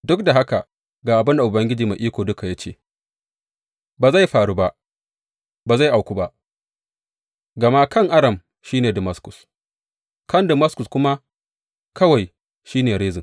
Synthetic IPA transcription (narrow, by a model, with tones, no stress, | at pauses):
dʊ˦k̚da˨ɦa˦ka˨ | ɡaː˨ʔa˨bɪ˦nda˨ʔʊ˨bɐ˦ŋɡʲɪ˦d͡ʒiː˨ma˨ʔiː˦kʷoː˨dʊ˦ka˨ja˦t͡ʃḛː˦˨ | baː˨za˦˨jɸaː˨ɽu˦ba˦ʔ | baː˨za˦˨jʔa˨wkʷu˦ba˦ʔ | ɡɐ˨ma˦kɐ˦˨ŋʔa˦ɽɐ˨m | ʃiː˦neː˨dɪ˨mɐ˦skʊ̥˨s | kɐ˦˨ndɪ˨mɐ˦skʊ˨skʷʊ˦ma˦ | kɐ˦wa˨j | ʃiː˦neː˨ɽeː˦zɪ˨ŋ